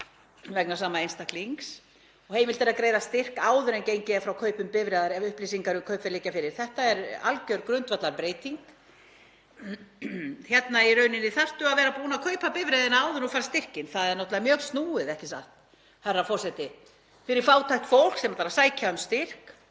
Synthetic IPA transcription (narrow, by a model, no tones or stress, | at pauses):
vɛknasaːmaejnst̪akliŋks | ɔɣhejmɪlt̪ɪɾaðkɾeːjðast̪ɪr̥kaːwðʏɾɛncejɲcɪafɾawkʰœːɥpʏmpɪvɾɛːðaɾɛvʏhplisiŋkaɾʏkʰœɥpɛɾliːcafɪɾɪɾ̥θɛht̪aɛɾa̰lcœɥɾkɾʏnt̪vat̪laɾpɾeːjt̪iŋk | çjɛt̪nairœɥnɪnːɪθar̥t̪ʏaðvɛːɾapuːnakʰœɥpapɪvɾɛðɪnaaːwðʏnɔfaɾst̪ɪr̥cɪnθaðɛɾnɔt̪laðamjœːɣst̪nuːɪðɛhcɪsaht̪ | harːafɔr̥sɛt̪ɪ | fɪɾɪɾ̥faːwt̪ʰajxt̪fowl̥ksɛmat̪aɾasaːjcʰaʏmst̪ɪr̥k